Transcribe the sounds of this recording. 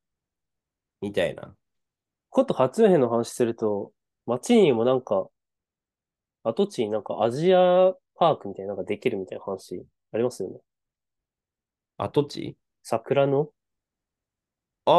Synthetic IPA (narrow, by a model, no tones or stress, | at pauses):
mʲit̪aḭna̰ | kʰo̞t̪ːo̞hat͡sɨɯ̃ɦẽnːoɦanaɕi̥sɨɾɯ̟t̪o̞ | mat͡ɕiɲ̟imo̞nãŋka | at̪o̞t͡ɕiɲ̟inãŋka̰ʔaʑia | paːkɯ̟mʲit̪ainaŋkad̪e̞kʲiɾɯ̟mʲit̪ainahanaɕi | aɾʲimasɨjo̞ne̞ | a̰t̪o̞t͡ɕḭ | sakɯ̟ɾano̞